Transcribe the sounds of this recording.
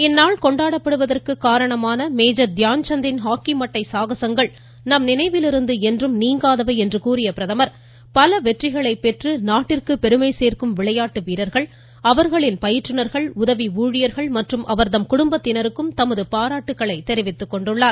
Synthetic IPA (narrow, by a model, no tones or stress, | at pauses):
ɛnːaːɭkɔɳɖaːɽɐpːɐɽɯʋɐðɐrkɯkːaːɾɐɳɐmaːnɐmeːd͡ʒɐd̪jaːnt͡ʃɐnd̪ɪnɦaːkimɐʈːɐɪsaːɣɐsɐŋɡɐɭ | nɐmnɪnɐɪʋɪlɪɾɯnd̪ɯɛndrɯmniːŋɡaːðɐʋɐɛndrɯkuːɾɪjɐpɪɾɐðɐmɐɾ | pɐlɐʋɛʈrɪɣɐɭɐɪpːɛʈrɯnaːʈːɪrkɯpːɛɾɯmɐɪseːrkɯmʋɪɭɐjaːʈːɯʋiːɾɐɾɣɐɭ | ɐʋɐɾɣɐɭɪnpɐjɪʈrɯnɐɾɣɐɭʊðɐʋiuːɻɪjɐɾɣɐɭmɐʈrɯmʔɐʋɐɾt̪ɐmkʊɽʊmbɐt̪ːɪnɐɾɯkːɯmt̪ɐmɐðɯpaːɾaːʈːɯkːɐɭɐɪt̪ɛɾɪʋɪt̪ːɯkːɔɳɖɯɭːaːɾ